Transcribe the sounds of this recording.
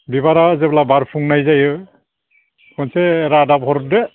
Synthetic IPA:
bibaɾazɛblabaɹpʰuŋnajzajɯ | kɔnsɛːɾadabɦɔɾɔt̚dɛ

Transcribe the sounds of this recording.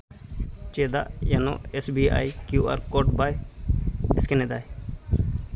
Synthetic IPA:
t͡ʃed̪a̰ʔjano̰esbia̰jkjua̰ɾkoʈbaj | eskened̪aj

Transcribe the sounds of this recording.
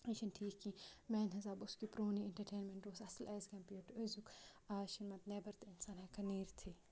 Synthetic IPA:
ɐʃɐnʈʰiːkːĩmɛːnɦɐzaːbʊskipɾoːnieɳʈɐɾʈeːnmẽɳʈɾoːsɐsɐlʔɛːzɡɐmpiʈezuk | aːʃinmɐt̪neːbɐɾt̪ɐɪnsaːnɦɛkɐniːɾt̪ʰiː

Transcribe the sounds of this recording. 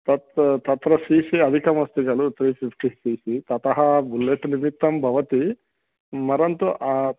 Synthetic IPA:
t̪ɐt̪t̪ɐt̪ɾɐsiːsiɐd̪ʱikɐmɐst̪iɡɐlut̪ɾiːpʰipʰʈisiːsit̪ɐt̪ɐɦɐbulːeʈniɾmit̪ːɐmbʱɐʋɐt̪i | mɐɾɐnt̪uʔ

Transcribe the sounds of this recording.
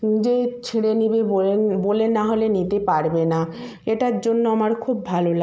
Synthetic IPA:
d͡ʑet͡ɕʰiɽenibebolenbolenːaɦolenit̪epaɾbena | eʈaɾd͡ʑonːoamaɾkʰubːʱalola

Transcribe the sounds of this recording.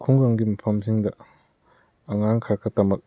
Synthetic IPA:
kʰuŋɡaŋɡimɐpʰɐmsiŋdɐ | ɐŋaŋkʰaɾkʰɐtɐmɐk̚

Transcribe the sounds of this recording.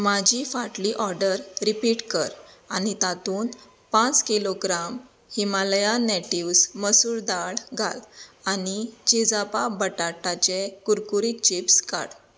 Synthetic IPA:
mad͡ʑʱifaʈliʔɔɾɖəɾɾipiʈkəɾ | anit̪at̪uːn | pãt͡skiloɡɾam | himaljaneʈiwsməsuːɾd̪aɭɡʱa̰lanid͡ʑed͡zapabəʈaʈat͡ɕekuɾkuɾik̚t͡ɕipsɡa̰ɽ

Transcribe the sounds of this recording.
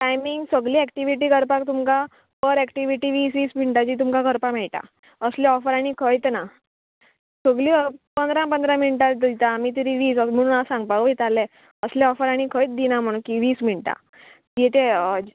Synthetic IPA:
ʈajmiŋɡsəɡliːɛkʈiʋiʈiːkəɾpak̚t̪umka | pəɾɛkʈiʋiʈiːʋiːsʋiːsm̤iɳʈat͡ɕiːt̪̬umkakəɾpamɛɭʈa̰ | əslɛɔfəɾaɽ̃ikʰəjt̪na | səɡliːpənd̪ɾãpə̃nd̪ɾãminʈad̪it̪aːmit̪̬iɾiʋiːsəm̤əɽ̃uːnasãŋɡ̚paʋit̪alɛ | əslɛ̃ɔfəɾaɽ̃ikʰəjt̪̚d̪inam̤əɽ̃ũkiʋiːsm̤iɳʈa̰ | ɛt̪e

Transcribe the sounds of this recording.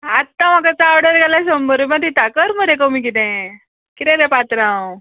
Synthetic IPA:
at̪ːãm̤akat͡saːɾɽəɾɡalasombəɾimãt̪it̪akəɾməɾẽk̬omik̬it̪ɛ̃ | kit̪ɛ̃ɾepat̪ɾãw

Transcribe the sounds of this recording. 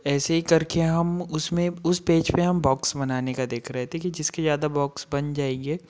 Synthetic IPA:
ɛːseɦikɐɾkeɦɐmʊsmẽʊspeːd͡ʒpeɦɐmbɔːksbɐnaːnekad̪eːkʰɾɛɦt̪ʰẽkid͡ʒɪskezjaːd̪abɔːksbɐnd͡ʒaːeːɡeː

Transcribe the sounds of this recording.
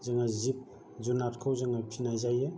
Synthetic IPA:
zaŋazip̚ | d͡ʒunatkʰawzaŋapʰinajzajɯ

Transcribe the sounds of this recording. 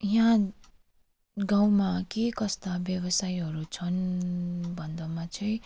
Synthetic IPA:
jã | ɡaw̃makekʌst̪abjʌbʌsajɦʌɾut͡sʰʌn | bʱʌnd̪ʌmat͡sʌĩ

